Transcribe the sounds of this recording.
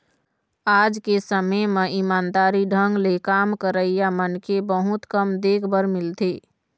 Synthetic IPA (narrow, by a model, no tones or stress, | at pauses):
aːd͡ʒkesəməmeʔimaːnd̪aːɾiɖʱə̃ŋɡlekamkəɾəijamənkebəɦut̪kəmd̪eːkʰbəɾmɪlt̪iː